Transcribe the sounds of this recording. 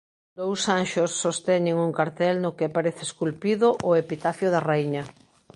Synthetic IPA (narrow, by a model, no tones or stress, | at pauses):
d̪owsanʃosːost̪ɛɲeŋuŋkaɾt̪ɛlnʊkepaɾeθɪeskulpiðʊʔʊepit̪aθjoðaraiɲa